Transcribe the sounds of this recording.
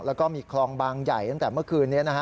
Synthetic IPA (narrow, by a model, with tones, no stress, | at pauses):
lɛː˦˥wkɔː˥˩miː˧kʰlɔː˧ŋbaː˧ŋja˨˩jt̪a˥ŋt̪ɛː˨˩mɯ˥˩əkʰɯː˧nːi˦˥ɐna˦˥kʰa˦˥